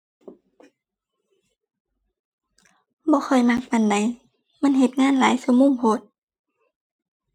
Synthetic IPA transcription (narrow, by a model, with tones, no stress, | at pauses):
bɔː˧˦xʰɔ˨˩jma˧˥k̚fa˨nda˨j | ma˧˥˨nɦe˧t̪̚ŋaː˧˥˨nlaː˨˦jsɯ˧˦muː˧˥˨mpʰo˧˦t̪̚